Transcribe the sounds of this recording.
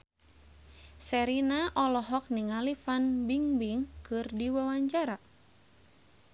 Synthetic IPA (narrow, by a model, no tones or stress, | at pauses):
sɛɾinaʔɔlɔɦɔk̚niŋalifanbiŋbiŋkɨrdiwawaɲd͡ʒaɾa